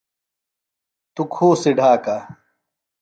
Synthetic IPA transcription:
t̪ukʰoːsiɖʱaːka

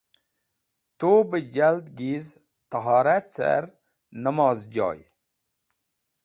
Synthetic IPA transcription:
t̪obəd͡ʒald̪ɡiz | t̪əɦɑːɾat͡sɛ̰ɾ | nəmɔːzd͡ʒɔ̰ːj

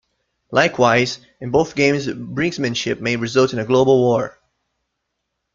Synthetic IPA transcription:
lʔaɪkʰwaɪz | ɨ̃nboʊθɡ̥ẽɪ̃mzbɹɪ̃ŋɡsmɨ̃nʃɪp̚meɪɹɨzʌlˠtɨ̃nɨɡloʊbəl̩ˠwɔɹ

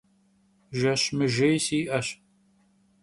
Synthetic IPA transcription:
ʒɐɕmɨʒejsiːʔɐɕ

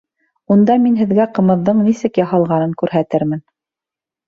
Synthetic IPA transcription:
und̪ɑminɦɘ̆ðɡæqɤ̆mɤ̆ðːɤɴnisɘkjɑhɑlˠʁɑnɤŋkʉɾɦæt̪ɘɾmɘn

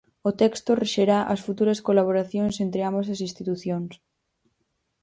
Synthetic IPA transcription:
ot̪ɛkst̪oreʃeɾaʔɐsfut̪uɾaskolaβ̞oɾaθjonsent̪ɾeambas̬asinst̪it̪uθjons

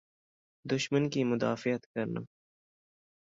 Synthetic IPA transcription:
d̪ʊʃmənkimʊd̪a̰ːfɪjət̪kɐɾna̰

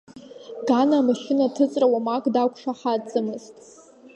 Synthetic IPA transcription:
ɡanaːmaʃɪnatʰɨt͡sʼrawamakʼdakʷʰʂaħad͡zʼɨmɨztʼ

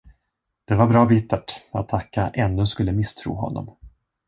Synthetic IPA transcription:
d̪̥ɛvaɾbɾɑːbit̪ːaʈat̪ʰːakːaʔɛnːɵskɵlːəmɪst̪ʰɾṵːɦɔ̰nːɔ̰m

